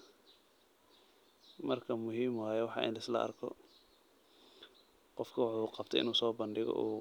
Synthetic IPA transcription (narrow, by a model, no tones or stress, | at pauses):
mɐrkʰɐmʊɦiːmwaːjɛwɑħɑ̰ːʔɪ̰nlɐɪslɐ̰ʔɐ̰rkʰɔ̰ | qɔfkʰɐwɑħuːqɑb̚t̪ʰɛ̰ʔɪ̰nuːsɔːbɐnɖɪɣɔ̰ʔuː